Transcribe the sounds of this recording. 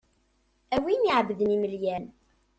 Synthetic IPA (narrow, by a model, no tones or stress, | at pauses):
æwiniʕbðəniməljæn